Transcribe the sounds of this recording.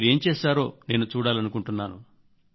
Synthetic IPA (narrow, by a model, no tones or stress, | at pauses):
ɾe̞ːmt͡ʃeːʃaːɾo̞̰ːne̞ːnut͡ʃuːɽaːlɐnukuɳʈunːaːnṵ